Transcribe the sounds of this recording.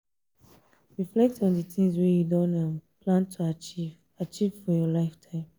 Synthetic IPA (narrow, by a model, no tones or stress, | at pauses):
ɹiflɛk̚tɔ̃ndətʰĩŋzwɛjudõnapʰlãntʰuav | at͡ʃiv̥fɔjɔlaɪftʰãɪ̃m